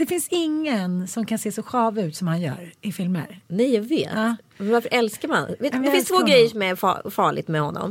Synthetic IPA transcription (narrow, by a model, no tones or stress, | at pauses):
d̪ɛfɪnsɪŋːənsɔmkʰanseːsɔɧɑːvʉ̟ːt̪sɔmhanjœ̰ːɾɪfɪlmə̰ɾnɛjjɑːɡveːt̪ɑːmɛvaɾfəɾʔɛlskaɾma̰nvet̪dɛɪnsst̪ʰvoːɡɾɛjːəʂɔmæɾfɑ̰fɑːɭɪ̰ɡ̚t̪mɛhɔnːɔ̰m